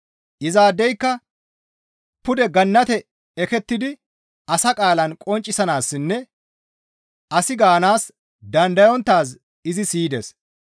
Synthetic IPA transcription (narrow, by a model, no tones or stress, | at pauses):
ʔɪzaːd̪ːɛjkːɐ | pʊd̪ɛɡɐnːɐt̪ɛ | ɛkɛt̪ːɪd̪ɪ | ɐsɐkʼaːlɐnkʼɔnt͡ʃʼːɪsɐnaːsːɪnːɛ | ɐsɪɡaːnaːs | d̪ɐnd̪ɐjɔnt̪ːaːs̬ | ɪzɪsiːd̪ɛs